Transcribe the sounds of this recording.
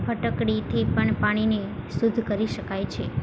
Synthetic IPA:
pʰəʈəkɽit̪ʰipəɳpaɽ̃inesud̪ʱːkəɾiʃəkajt͡ʃʰe

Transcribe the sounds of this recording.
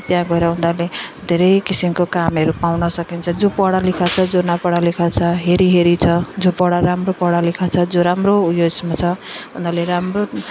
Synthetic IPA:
t̪jãɡʌeɾʌɦũnd̪aled̪ʱeɾʌjkisimkokamɦʌɾupawnʌsʌkint͡sʰʌd͡zopʌɽalikʰat͡sʰʌd͡zonʌpʌɽalikʰat͡sʰʌɦeɾiɦeɾit͡sʰʌd͡zopʌɽaɾamropʌɽalikʰat͡sʰʌd͡zoɾamroujosmat͡sʰʌɦũnd̪aleɾamro

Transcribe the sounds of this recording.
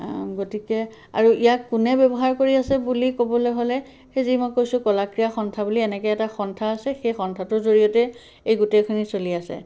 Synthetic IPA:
ɡotikɛ | a̰ɹuʔijakːunɛbɛbɔɦaɹkoɹiasɛbulikobɔlɔjɦolɛ | xejzimojkojsʊ̃kɔlakɹijaxɔntʰabuliɛnɛkɛɛtaxɔntʰaːsɛxejxɔntʰatʊɹzoɹijɔtɛ | ejɡutejkʰunisoliasɛ̰

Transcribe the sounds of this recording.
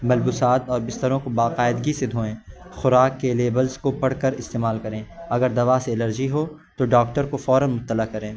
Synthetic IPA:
mɐlbusaːt̪ɔːɾbɪst̪əɾõkobaːqaːɪd̪ɡised̪ʱoːẽː | xʊɾaːkːeleːbəlzkopɐɽkəɾɪst̪eːmaːlkɐɾẽːɐɡəɾd̪ɐʋaseːləɾd͡ʒiɦoː | t̪oɖaːk̚ʈəɾkofɔːɾə̃nmʊt̪ːəlakɐɾẽː

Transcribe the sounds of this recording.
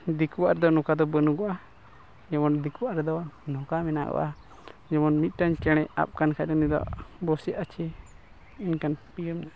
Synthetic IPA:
d̪ikuwaʔɾɛd̪ɔnɔkad̪ɔbənuɡɔʔa | d͡ʒɛmɔnd̪ikuwaʔɾɛd̪ɔnɔkamɛna̰ɡɔ̰ʔa | d͡ʒɛmɔnmit̪̚ˀʈaɲkɛɽ̃ɛʔa̰p̚kankʰaanid̪ɔ̰ʔbɔsɛʔat͡ʃʰɛ | inkanpijəmna

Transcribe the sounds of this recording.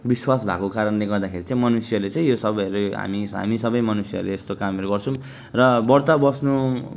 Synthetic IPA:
biswasbʱa̰kokaɾʌnleɡʌrd̪akʰeɾit͡sãĩmʌnusjʌlet͡sãĩjosʌbʌjʌɾuɦa̰miɦa̰misʌbʌjmʌnusjʌ̰rleest̪okamʌɾuɡʌrt͡sʰʌ̃ | rʌbʌrt̪abʌsnu

